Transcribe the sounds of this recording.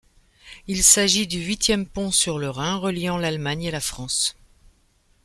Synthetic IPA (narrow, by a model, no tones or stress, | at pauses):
ilsaʒid̪yɥit̪jɛmpɔ̃syʁləʁɛ̃ʁəljɑ̃lalmaɲelafχɑ̃s